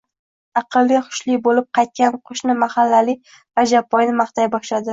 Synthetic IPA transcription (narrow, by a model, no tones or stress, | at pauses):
ɑqʰɨlˠːiχʊ̥ʃlibolɪp̚qʰɑjt̪̚kʲanqʰʊʃnɪmahalːalɪ | ɾad͡ʒapʰːɒjnɪmaχt̪ʰajbɒʃlad̪ɪ